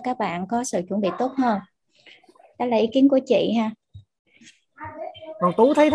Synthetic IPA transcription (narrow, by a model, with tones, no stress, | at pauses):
kaː˦˥k̚ɓa̰ː˧˨nkɔ˨˦sɨ̰˧˨t͡ɕwə˧˩nɓḭ˧˨t̪o˦˥t̚həː˧n | ɗa̰˧˦laː˨˩ʔi˨˦˥ki˨˦ənku˧˩ət͡ɕḭ˧˨ɦaː˧ | kɔ˨˩nt̪u˨˦t̪ʰə˨˦jt̪ʰ